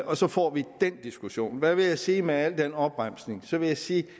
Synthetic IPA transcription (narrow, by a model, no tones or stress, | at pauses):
ɒ̽sɒ̽fɒ̰ːʋid̥en̰d̥isɡ̥uɕo̝̰ːnʋæʋe̝jäɪsiːmeæl̰d̥enɒ̽b̥ʁam̰sne̝ŋsɒ̽ʋe̝jasiː